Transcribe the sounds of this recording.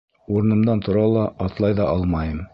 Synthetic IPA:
uɾɤ̆nɤ̆md̪ɑnt̪ʰŏɾɑlˠɑɑt̪lˠɑjðɑʔɑlˠmɑjɤm

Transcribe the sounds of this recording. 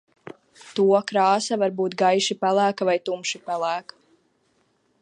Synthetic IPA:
t̪uɔkɾaːsavaɾbuːt̪ɡajʃipælˠæːkavajt̪umʃipælˠæːkḁ

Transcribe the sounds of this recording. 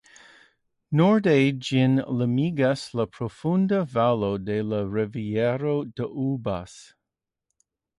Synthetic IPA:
nɔɹded͡ʒɪnləmiɡasləpʰɾofundəvalodeləɹɛviɛɾod̥əʔubas

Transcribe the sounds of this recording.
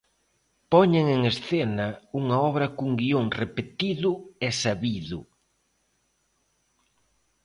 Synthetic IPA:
pɔɲeŋeŋesθenɐuŋɐɔβɾɐkuŋɡioŋrepet̪iðʊɛsaβiðʊ

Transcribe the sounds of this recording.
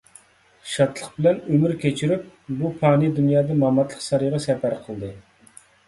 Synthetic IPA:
ʃɑt̪lˠəqbɪlɛnømyɾkʲʰet͡ʃʰiɾyp̚bupʰɑːnɨd̪unjɑːd̪ɑmɑmɑt̪lˠəqsɑɾɨjʁɑsɛpæɾqʰəlˠd̪ɨ

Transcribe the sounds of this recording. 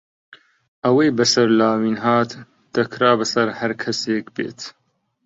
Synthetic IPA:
ʔɐwejbɐsɐɾlaːwiːnɦaːt̪ː | ɐkʰɾaːbɐsɐɾhɐɾkʰɐseːkbḛːt̪ʰ

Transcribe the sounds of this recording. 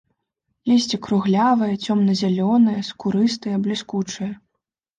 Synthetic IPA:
lʲɛsʲt͡sʲɛkɾuɣlʲavɐjɐt͡sʲɔmnɐzʲalʲɔnɐjɐskuɾɨst̪ɨjɐblʲiskut͡ʂɨjɐ

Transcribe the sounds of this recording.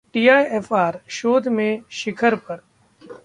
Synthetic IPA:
ʈiːaːjeːfʰaːɾʃoːd̪ʱmẽʃɪkʰəɾpɐɾ

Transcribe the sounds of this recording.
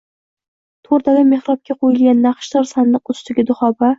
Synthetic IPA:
t̪ʰoɾd̪alʲame̞hɾɒp̚kʲʰaqʰojɪlɡʲanːaχʃt̪ɒɾsand̪ɨqʊst̪ɪɡʲɪd̪ʊχɒba

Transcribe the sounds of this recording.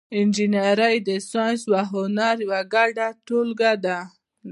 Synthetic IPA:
ɪnd͡ʒinaɾəjd̪əsanswaɦʊnaɾjawaɡaɖaʈolɡad̪a

